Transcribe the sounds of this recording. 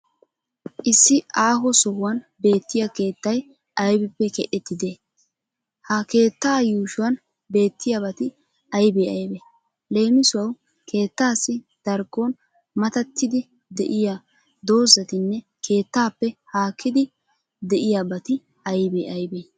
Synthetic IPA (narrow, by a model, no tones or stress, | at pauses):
ʔɪsːɪʔaːɦɔsɔhwɐnbe̞ːt̪ːɪjake̞ːt̪ːɐj | ʔɐjbɪpːɛkɛʔɛt̪ːɪd̪eː | hɐke̞ːt̪ːaːjuːʃʊwɐn | be̞ːt̪ːɪjabɐt̪ɪ | ɐjbeːɐjbeː | le̞ːmɪsʊwɐw | ke̞ːt̪ːaːsːɪ | d̪̥ɐɾɡon | mɐt̪ɐt̪ːɪd̪ɪ | d̪ɛʔɪja | d̪o̞ːzɐt̪ɪnːɛ | ke̞ːt̪ːaːpːɛhaːkʰːɪd̪ɪ | d̪ɛʔɪjaːbɐt̪ɪ | ɐjbeːʔɐjbeː